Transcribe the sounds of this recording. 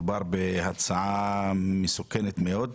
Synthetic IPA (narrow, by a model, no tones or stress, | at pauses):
baɾbehat͡saʕamesukenet̪meod̪